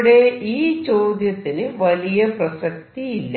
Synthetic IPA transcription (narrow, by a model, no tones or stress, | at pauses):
ɽeːiːt͡ʃoːd̪jɐt̪ːinɨʋɐlijɐpɾɐsɐk̚t̪iːlː